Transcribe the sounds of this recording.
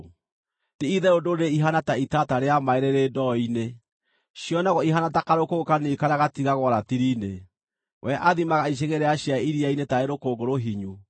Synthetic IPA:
tiiðɛodoɾeiɦanataitataɾeamaeɾeɾedɔine | ɕjɔnaɣɔiɦanatakaɾokookanikaɾaɣatiɣaɣwɔɾatiɾine | wʔɛʔaðimaɣaiɕ̬eɣeɾɛaɕjaiɾiainetaeɾokoːɡoɾoɦiɲu

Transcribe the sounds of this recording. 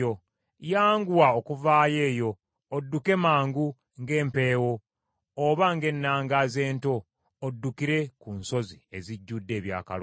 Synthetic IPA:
o | jaːŋɡuwaokuvaːje̞ːjo̞ː | dːuke̞maːŋɡu | ŋɡe̞ːmpe̞ːwo̞ː | βaŋɡe̞nːaːŋɡaze̞ːnto̞ː | dːukiɾe̞kunso̞zie̞ziɟːudːe̞ːβja̰ːka̰l

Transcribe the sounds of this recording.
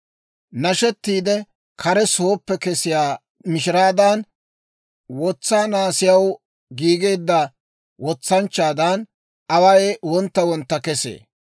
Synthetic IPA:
nɐʃɛt̪ːiːd̪ɛ | kʰɐɾɛsoːpːɛkɛsɪjaː | mɪʃɪɾaːd̪ɐn | wɔt͡sːaːnaːsɪjɐw | ɡiːɡe̞ːd̪ːɐ | wɔt͡sːɐnt͡ʃːaːd̪ɐn | ʔɐwɐjwɔnt̪ːɐwɔnt̪ːɐkɛsḛː

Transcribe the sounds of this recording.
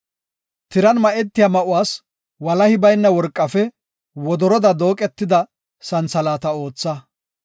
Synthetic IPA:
t̪ɪɾɐnmɐʔɛt̪ːɪjamɐʔʊwaːs | wɐlɐhɪbɐjnːɐwɔɾkʼːɐfɛ | wɔd̪ɔɾɔd̪ɐd̪o̞ːkʼɛt̪ːɪd̪ɐ | sɐnt͡sɐlaːt̪ɐo̞ːt͡sːɐ

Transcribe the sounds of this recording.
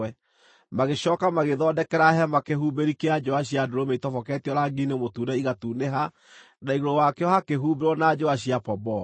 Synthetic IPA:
ɛ | maɣeɕɔːkamaɣeðɔdɛkɛɾaɦɛmakehubeɾikead͡ʒoaɕ̬iadoɾomeitɔfɔkɛtiɔɾaɡinemotunɛiɣatuneɦa | naiɣoɾowakeɔhakeɦubeɾwɔnad͡ʒoaɕiapɔbɔ

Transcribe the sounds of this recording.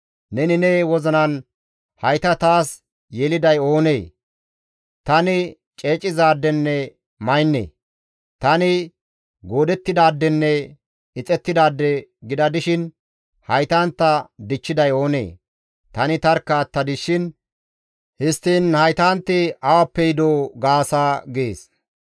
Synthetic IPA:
nɛnɪneːwɔzɐnɐn | hɐjt̪ɐt̪aːs | jeːlɪd̪ɐjo̞ːneː | t̪ɐnɪ | t͡ʃʼeːt͡ʃʼːɪzaːd̪ːɛnːɛ | mɐjnːḛː | t̪ɐnɪ | ɡo̞ːd̪ɛt̪ːɪd̪aːd̪ːɛnːɛ | ɪt͡sʼɛt̪ːɪd̪aːd̪ːɛɡɪd̪ɐd̪ɪʃɪn | hɐjt̪aːnt̪ːɐd̪ɪt͡ʃːɪd̪ɐjo̞ːnḛː | t̪ɐnɪt̪ɐɾkːɐt̪ːɐd̪ɪʃɪn | hɪst̪ːiːnhɐjt̪aːnt̪ːɪɐwɐpːɛjd̪oːɡaːsaːɡḛːs

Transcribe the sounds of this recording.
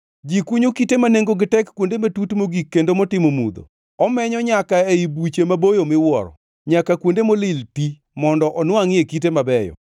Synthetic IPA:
d͡ʒikuɲokitemaneŋɡoɡɪtɛkːwondematutmoɡikːendomɔtɪmomṵd̪o̰ | ɔmɛɲɔɲakaeibut͡ʃemabojomɪwɔ̰ɾɔ̰ | ɲakakwondemolɪlti | mɔndɔʔɔnwaŋekit̬emabɛjɔ̰

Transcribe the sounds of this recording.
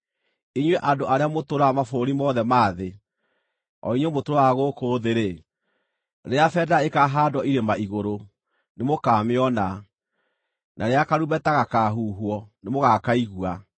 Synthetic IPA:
iɲweʔandoʔaɾeamotoɾamafoɾimɔːðɛmaːðe | ɔ̰iɲwemotoɾaɣokoːðeɾe | ɾeafɛdaekaɦaːdwɔiɾemaiɣoɾo | nemokaːmeɔna | nʔaɾeakaɾuβɛtaɣakaɦuːɦwɔnemoɣakaiɣua

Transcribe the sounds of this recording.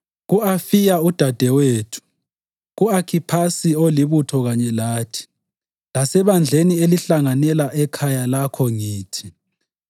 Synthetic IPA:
ɣuafijaud̥ʱad̥ʱɛweːtʰu̥ | ɣuakʰipʰasioliβutʰɔɣaɲɛlaːtʰi̥ | lasɛβand͡ɮʱenieliɬaŋanɛlaʔɛkʰajalakʰɔŋiːtʰi

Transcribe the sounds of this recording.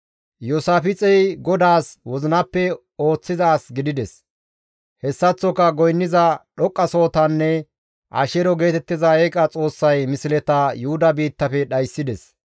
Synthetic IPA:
josaːfɪt͡sʼɛjɡɔd̪aːswɔzɪnɐpːɛ | o̞ːt͡sːɪzaːsɡɪd̪ɪd̪ɛs | hɛsːɐt͡sːɔkɐɡɔjnːɪzɐɗɔkʼːɐso̞ːt̪ɐnːɛ | ʔɐ̰ʃɛɾɔɡe̞ːt̪ɛt̪ːɪzɐɛkʼɐt͡sʼo̞ːsːɐjmɪsɪlɛt̪ɐjʊhʊd̪ɐbiːt̪ːɐfɛɗɐjsːɪd̪ɛs

